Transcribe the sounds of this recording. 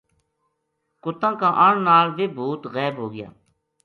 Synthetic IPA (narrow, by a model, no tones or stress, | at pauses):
kʊt̪ãːkãːʔəɳnaːlʋeːbʱuːt̪ɣɛːbɦoːɡɪja̰ː